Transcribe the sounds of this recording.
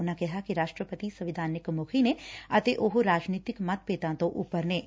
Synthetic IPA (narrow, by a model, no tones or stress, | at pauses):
ʊnãkɛɦakiɾaːʃʈɾəpət̪isɐʋɪd̪ʱaːnɪkmʊkʰineɐt̪eʔoɦoɾaːd͡ʒniːt̪ɪkmɐt̪̚peːt̪ãːt̪õʔʊpːəɾneː